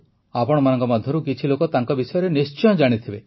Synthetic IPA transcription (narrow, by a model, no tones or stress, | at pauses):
apɔɽ̃ɔmanɔŋkɔmɔd̪ʱjɔɾukit͡ʃʰilokɔt̪aŋkɔbisɔjɔɾenist͡ʃɔɔ̃d͡ʒaɽ̃it̪ʰibe